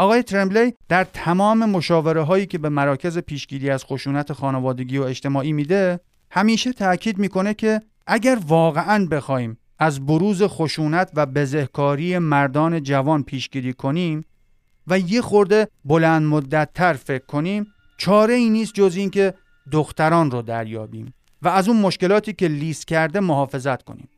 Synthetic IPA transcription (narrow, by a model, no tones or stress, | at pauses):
ʔɒːɣɒːje̞t̪ʰɾemblejd̪̥æɾt̪ʰæmɒːme̞mo̞ʃɒːve̞ɾeɦɒːjiːcʰe̞be̞mæɾɒːcʰe̞ze̞pʰiːʃɡiːd̪iːæz̥xo̞ʃuːnæt̪ʰexɒːnevɒːd̪e̞ɡiːoeʃt̪e̞mɒːʔiːmiːd̪e̞ | hæmiːʃet̪ʰæcʰiːd̪miːko̞ne̞cʰe̞ | ʔæɟæɾvɒːɣe̞ʔænbe̞xɒːhiːm | ʔæzboɾuːze̞xo̞ʃuːnæt̪ʰvæbe̞ze̞hkʰɒːɾiːje̞mæɾd̪ɒːne̞d͡ʒævɒːnpʰiːʃɡiːdiːkʰo̞niːm | væje̞xo̞ɾd̪e̞bo̞lænd̪mod̪ːæt̪ʰːæɾfe̞kʰːo̞niːm | t͡ʃʰɒːɾe̞iːniːst̪̚d͡ʒoziːncʰe̞ | d̪oxt̪æɾɒːnrod̪æɾjɒ̰ːbḭːm | væːzunmo̞ʃke̞lɒːt̪ʰiːcʰe̞liːst̪cʲʰæɾd̪e̞moɦɒːfe̞zæt̪kʰo̰nḭːm